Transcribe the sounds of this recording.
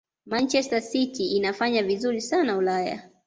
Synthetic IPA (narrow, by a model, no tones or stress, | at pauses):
mant͡ʃɛstasitiinafaɲavizuɾisanaulaja̰